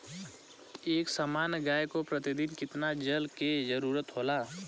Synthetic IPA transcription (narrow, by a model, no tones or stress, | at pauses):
eːksamaːnɡaːjkopɾət̪ɪd̪ɪnkɪt̪nad͡ʒəlked͡ʒəɾuːɾət̪ɦoːlaː